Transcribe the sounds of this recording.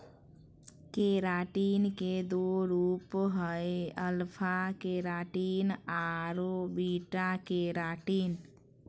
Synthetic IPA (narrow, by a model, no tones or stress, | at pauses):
keːɾaːʈiːnked̪oːɾuːpɦəeəlpʰakeːɾaːʈiːnaːɾobiːʈakeːɾaːʈiːn